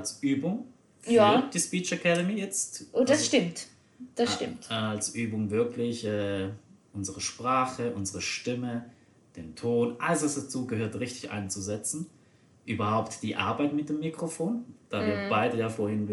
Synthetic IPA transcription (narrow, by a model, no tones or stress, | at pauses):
alsʔyːbʊŋ | fjd̥iːspiːt͡ʃakʰɛdəmiːjɛt͡stʔodasʃtɪmt | d̥asʃtɪmtːalsʔyːbʊŋvɪɐkʰlɪçʔɛːʔʊnzəʁəʃpʁ̥aːχəʔʊnzəʁəʃtɪmə | d̥eːntʰoːnʔaləsvasd̥at͡suːɡəhøːɐtʁɪçtɪçʔa̰ɪnənt͡suzɛt͡sn̩ | ʔyːbɐhaʊptd̥iːʔa̰ɐbaɪtmɪt̚d̥eːmːikʁ̥ofoːnd̥aːviːɐb̥aɪdəjaːfoːɐhɪn